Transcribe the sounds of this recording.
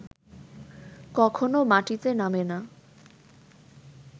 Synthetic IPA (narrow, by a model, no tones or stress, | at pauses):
kɔkʰonomaʈit̪enamena